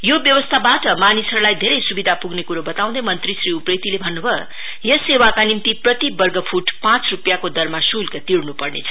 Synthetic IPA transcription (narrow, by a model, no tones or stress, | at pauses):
jobjʌwʌst̪ʰabaʈʌmanisʌɾulajd̪ʱeɾʌjsubid̪ʱapuɡnekuɾobʌt̪aw̃d̪ʌmʌnt̪risriuprekt̪ilebʱʌnːubʱʌ | jʌsewakanimt̪iprʌt̪ibʌrɡʌpʰuʈpãt͡srupjakod̪ʌrmasulkat̪irnupʌrnḛt͡sʰʌ̥